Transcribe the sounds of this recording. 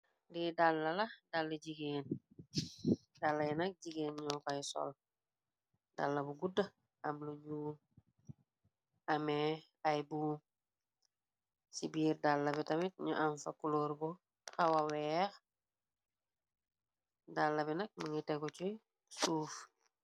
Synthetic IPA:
didalːalahdalːeɟiɡen | dalːajinak̚ɟiɡeːnɲokajso̰l | da̰lːabuɡudɐ | amloɲuːl | ame | ajbum | sibiːɾdalːaβitamit̚ɲṵʔaɱfakuloɾbo | xawawex | dalːabinɐk̚maŋiteɡot͡ʃoj | suːf

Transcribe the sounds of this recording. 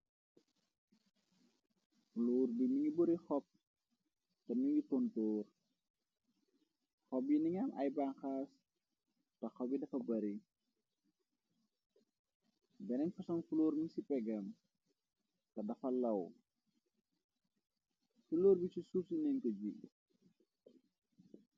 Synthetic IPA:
fulɔːrbiniŋibɔɾixɔp̚ | tɐniŋitɔntɔːr | xɔp̚jiniŋɐmʔɐ̰jbaːnxaːs | tɐxɔbidɐfɐbɐɾi | bɛnɛnfusɐŋfulɔːɾmiŋsipɛɡɐm | tɐdɐfɐlɐw | fuloːɾbisisusinɛŋkɔd͡ʒi

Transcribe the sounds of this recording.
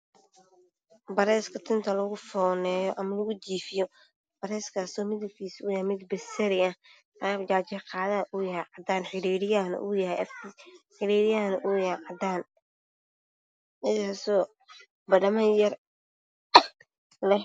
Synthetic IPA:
bɐɾɛːskʰɐt̪ʰɪnt̪ʰɐlɐɣʊfɔːnɛːjɔʔɐmɐlɐɣʊt͡ʃiːfɪjɔ | b̥ɐɾɛːskʰaːsɔːmɪðɐbkʰiːsuːjahjmɪd̪bɪsɐɾɪɐh | ad͡ʒaːt͡ʃɛqɑːðaʔujɐhɛʕɑd̪aːnħɪɾiːɾɪjaːnɐ̰ʔuːjɐhɛjɐfkʰiːħɪɾiːɾɪjaːnɐʔujɐʕɑd̪aːn | ʔɪjaːsɔː | bɐɖɐmɐjɐr | lɛh

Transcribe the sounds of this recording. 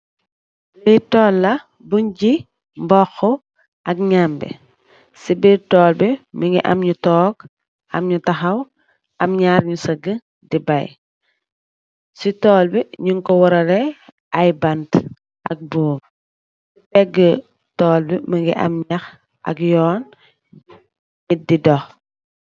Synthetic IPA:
litɔːlːɐ | buɲɟi | mbɔxːɔ | ʔɐkɲambɛ̰ | sibitɔːlbiməŋɡiʔɐ̰mɲutɔːk | ɐ̰mɲutɐxɐw | ʔɐmɲaːɾɲusɐɡə | dibɐj | sitɔːlbiɲuŋkɔwɔɾɐlɛ | ɐjbɐnt | ʔɐ̰k̚buːm | sipɛɡːə | tɔːlbiməŋɡḭʔɐ̰mɲɐx | ʔɐ̰kjɔːn | ɲididɔx

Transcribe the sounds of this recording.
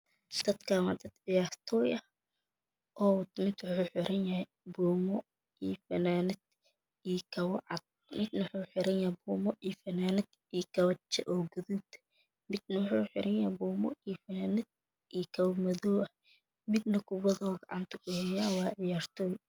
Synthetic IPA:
d̪̥ɐd̪kʰawɑd̪ɐd̪̥ʕɪjaːrt̪ʰɔːjɐh | ʔɔːt̪mɪd̪wħuːħɪɾʔɐnjɐhɛ | buːmɔ | iːfɐnaːnɪd̪̥ | ijkʰɐwʕɑ̰d̪̚ | mɪd̪nħuːħɪɾɐnjɐbuːmɔʔiːfɐnaːnɪd̪̥ | ijkʰɐwɐt͡ʃːɛ̰ʔɔːɡʊðud̪ | mɪd̪nɐwħuːħɪ̰ɾʔɐnjɐbuːmɔ̰ifɐnaːnɪd̪̚ | iːkʰɐwmɐðɔː | mɪd̪nɐkʰʊβɐðɔːɡɑʕɑ̰nt̪ʰɐkʰʊhɛjaːwɑːʕɪjaːrt̪ʰɔːj

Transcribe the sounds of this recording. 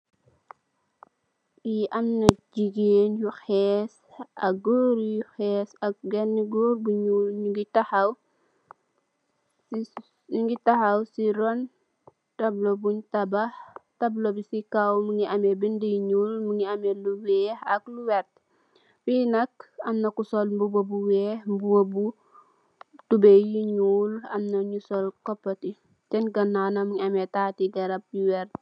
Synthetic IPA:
iʔɐmnɐd͡ʒiɡenjuxɛːs | ɐk̚ɡɔːɾjuxɛːsɐk̚ɡɛnːiɡoːɾbuɲulɲuɡitɐhɐw | i | ɲuɡitɐhɐwsiɾɔn | tɐblobuɲtɐbɐhtɐblobisikawmuŋiʔɐmɛbindijiɲulmuŋiɐmɛluwɛːhɐkluwɛrt̚ | winɐkɐmnɐkusɔlmbubobuwɛhmbuwobu | tubejiɲulɐmnɐɲusɔlkɔpːɐti | t͡ʃɛnɡɐnːanɐmuŋiɐmɛtaːtiɡɐɾɐp̚juwɛrt

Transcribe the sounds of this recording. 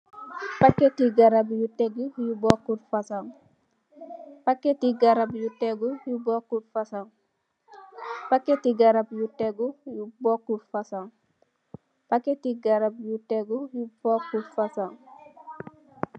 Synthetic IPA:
pakːetiɡaɾabjuteɡujubokːuɾfasaŋ | pakːetiɡaɾabjuteɡujubokuɾfasaŋ | pakːetiɡaɾabjuteɡujubokːuɾfasaŋ | paketiɡaɾabjuteɡujubokːuɾfasaŋ

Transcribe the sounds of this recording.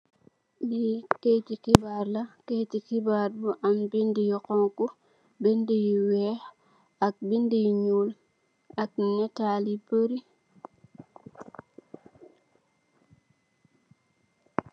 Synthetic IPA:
liketikibaɾlaketikibaːɾbuʔambindijiqɔŋku | bɛndijiwɛːh | ak̚bindijɲul | ak̚ɲɛtalibəɾi

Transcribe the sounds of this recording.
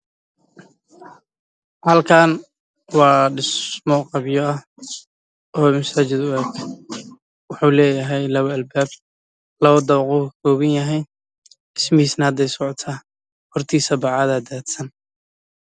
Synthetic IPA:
hɐlkʰaːn | wɑːɖɪsmɔqɑbjɔɐ | ɔːmɐsaːt͡ʃɪd̪ʊɛːk | wɑħuːlɛːjɐɦɛjlɐβɐlbaːb̚ | lɐβɐd̪ɐβqʊkʰɔːβɐnjɐɦɛj | ɪsmɪhiːsnɐhɐd̪ɛjsɔʕɔt̪ʰaː | hɔrt̪ʰiːsɐbɑʕɑðɐd̪aːd̪sɐn

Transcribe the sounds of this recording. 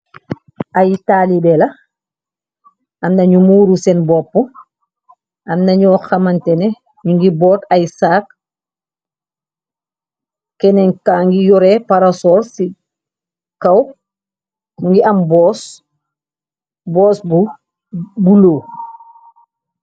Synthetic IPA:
ʔajtaːlibɛlɐ | ɐmnɐɲumuːɾusɛnbɔpːo | amnɐɲɔːxɐmantɛne | ɲuŋɡibɔːtajsaːk | kɛnɛŋkaŋɡijɔɾepaɾasɔːɾsi | kɐw | muŋɡiʔambɔːs | bɔːsbu | buloː

